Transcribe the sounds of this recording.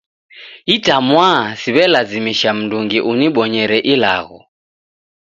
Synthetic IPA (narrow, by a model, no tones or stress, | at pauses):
itamwasiβɛlazimiʃam̩nduŋɡiʔuniɓɔɲɛɾɛʔila̰ɣɔ̰